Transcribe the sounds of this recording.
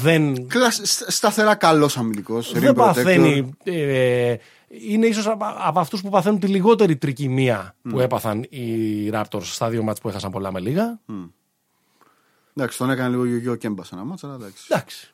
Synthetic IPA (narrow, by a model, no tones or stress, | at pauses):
ðenklɐssst̪ɐθe̞ɾɐkɐlo̞sɐmiliko̞sðebɐθe̞niie | ine̞iso̞sɐpɐft̪uspupɐθe̞nunt̪iliɣo̞t̪e̞ɾit̪ɾicimiɐpue̞pɐθɐniɾɐpt̪o̞ɾsːt̪ɐðiomɐspuxɐsɐmpo̞lɐme̞liɣɐ | d̪ɐksi̥t̪onekɐnɐliɣoʝoʝocembɐsɐnɐmɐt͡sɐlɐd̪ɐksi̥d̪ɐksi̥